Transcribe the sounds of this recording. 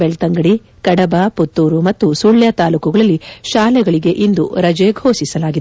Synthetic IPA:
beɭt̪ɐŋɡɐɽi | kɐɽɐbaːput̪ːuːɾumɐt̪ːusuɭjat̪aːluːkuɡɐɭɐlːiʃaːlɛɡɐɭiɡe̞ʔind̪ṵɾɐd͡ʒeːɡʱoːsisɐlaːɡi

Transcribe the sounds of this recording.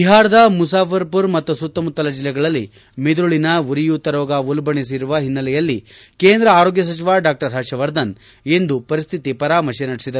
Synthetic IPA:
biɦaːɾɐd̪ɐmus̬aːpʰɐɾpuɾmɐt̪ːusut̪ːɐmut̪ːɐlɐd͡ʒilːɛɡɐɭɐlːi | med̪uɭinɐuɾijut̪ːɐɾɔːɡɐulbɐɳis̬iɾuʋɐɦinːɐlɛjɐlːikeːnd̪ɾɐaːɾoːɡjɐs̬ɐt͡ʃiʋaːɖaːk̚ʈɐɾɦɐʃɐʋɐɾd̪ɐn | e̞nd̪upɐɾist̪ʰit̪ipɐɾaːmɐʃenɐɽisid̪ɐɾu

